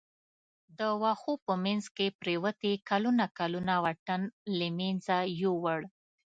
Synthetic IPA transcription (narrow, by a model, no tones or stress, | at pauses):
d̪əwaxopəmanzkepɾewət̪ekalunakalunawaʈanləmenzajowəɽ